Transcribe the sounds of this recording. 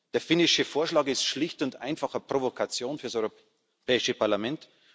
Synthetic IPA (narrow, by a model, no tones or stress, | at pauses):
d̥eːɐfɪnɪʃəfoːɐʃlaːkɪstʃlɪçtʊndʔa̰ɪnfaχəpʁ̥ovokʰat͡sjoːnfyːɐsɔʏʁo | pʰɛːɪʃəpʰaɐlamɛnt